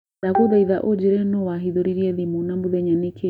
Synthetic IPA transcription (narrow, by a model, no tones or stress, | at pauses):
akoðaiðaʔod͡ʒɛɾɛnɔwaɦiðoɾiɾiɛðimunambuðɛɲanikʰe